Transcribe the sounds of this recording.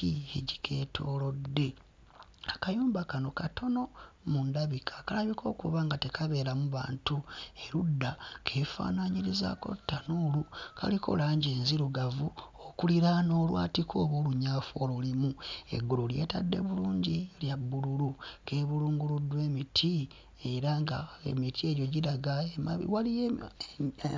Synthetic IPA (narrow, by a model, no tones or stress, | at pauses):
ieɟikʰe̞ːtʰo̞ːlo̞dːe̞ | akajuːmbakano̞katʰo̞no̞mundaβikʰḁkalaβikʰo̞ːkuβaːŋɡate̞kʰaβe̞ːɾamuβa̰ːntue̞ɾudːakʰe̞ːfa̰ːnaɲiɾiza̰ko̞̰tːanuːlukʰa̰likʰo̞̰laːɲɟe̞ːnziɾuɡavuokuliɾano̞ːlwa̰ːtikʰo̞ːβoːluɲaːfoːlulimue̞̰ɡululje̞̰tadːe̞̰βuluːɲɟiljabːululuke̞ːβuluːŋɡuludːwe̞ːmitʰi | eɾaŋɡaḛmitʰie̞ɟo̞ɟiɾaɡaemaβḭwalije